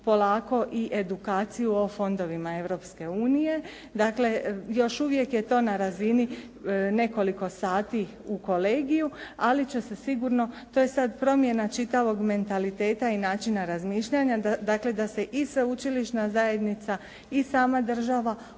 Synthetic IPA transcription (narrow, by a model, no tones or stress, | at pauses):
po̞laːko̞ʔiʔe̞d̪ukaːt̪sijuo̞fo̞nd̪o̞ʋimae̞ʋɾo̞pske̞uːnije̞ | d̪aːkle̞jo̞ʃuʋje̞kje̞t̪o̞ːnaɾazini | ne̞ko̞liko̞saːt̪i | uko̞le̞ːɡijualit͡ɕesesiɡuɾno̞t̪o̞je̞sad̪pɾo̞mje̞nat͡ʃit̪aʋo̞ɡme̞nt̪alit̪e̞ːt̪ainaːt͡ʃinaɾazmiːʃʎaɲad̪aːkle̞d̪ase̞ʔisʋeut͡ʃiliʃnazaje̞d̪nit̪sa | isaːmad̪r̩ʒaʋa